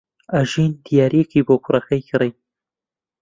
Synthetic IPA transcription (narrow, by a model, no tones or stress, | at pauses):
aʒint̪jɑːɾekibokuɾaxajkɾaj